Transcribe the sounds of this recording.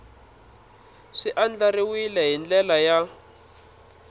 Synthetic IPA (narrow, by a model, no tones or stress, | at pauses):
ʂiʔand͡ɮaɾiwilɛɦind͡ɮɛlaja